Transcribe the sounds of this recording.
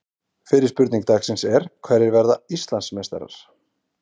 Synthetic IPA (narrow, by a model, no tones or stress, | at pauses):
fɪɾɪ̥ɾspʏɾt̪niŋkt̪aːksɪnsɛɾ̥kʰvɛɾɪɾvɛɾðaist̪lansmɛst̪ɛ̰ɾa̰ɾ̥